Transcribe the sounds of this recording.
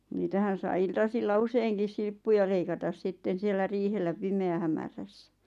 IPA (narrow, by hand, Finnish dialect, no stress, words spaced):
niːtæhæn̞ sɑĭ iltɑsilːɑ useiŋkis silpːujɑ leikɑtɑs sitːen sielːæ riːhelːæ pimeæhæmæræsːæ̥